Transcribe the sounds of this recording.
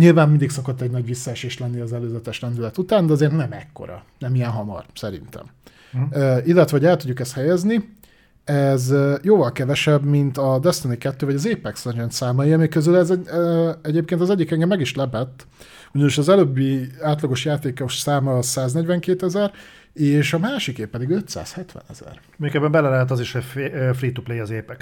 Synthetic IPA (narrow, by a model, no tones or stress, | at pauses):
ɲilvaːmmind̪iksɒkot̪ːɛɟnɒɟʋisːɒɛʃeːʃlɛnːiɒzɛløːzɛt̪ɛʃlɛnd̪ylɛt̪ut̪aːnd̪ɛɒzeːrt̪nɛmɛ̰kːo̞̰ɾɒ̰nɛmijɛnɦɒmɒ̰rsɛɾḭnt̪ɛ̰m | øilːɛt̪ʋɛɦoɟɛlt̪uɟːukɛst̪hɛjɛzni | ɛzjoːvɒlkɛvɛʃɛbmint̪ɒd̪ɛst̪onikɛt̪ːøːvɒɟɒzeːpɛksɛnd͡ʒɛnt̪saːmɒjiɒmikøzylɛzɛɛɟeːp̚keːnt̪ɒzɛɟːikɛŋɡɛmːɛɡiʃlɛbɛt̪ː | uɟɒniʃɒzɛløːbːiaːt̪lɒɡoʃjaːt̪eːkoʃsaːmɒsaːznɛɟʋɛŋkeːt̪ɛzɛɾ | eːʃɒmaːʃikeːpːɛd̪iɡø̞t̪sa̰ːshɛt̪ʋɛ̰nɛ̰zɛ̰r | møːkebːɛmbɛlɛlɛɦɛt̪̬ɒziʃhɛefriːt̪ːuplejɒzeːpɛk